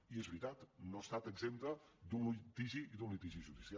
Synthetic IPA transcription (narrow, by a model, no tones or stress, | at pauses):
iezβɾit̪at̪noəst̪at̪əɡzemt̪əd̪unlit̪iʒiiðunlit̪iʒiʒuðisia